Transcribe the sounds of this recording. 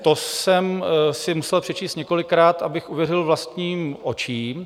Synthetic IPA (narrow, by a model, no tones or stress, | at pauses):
t̪osɛmsɪmusɛlpr̥ɛt͡ʃiːst̪ɲɛko̞lɪkɾaːt̪ʔabɪxuvjɛrɪlvlast̪ɲiːmʔo̞t͡ʃiːm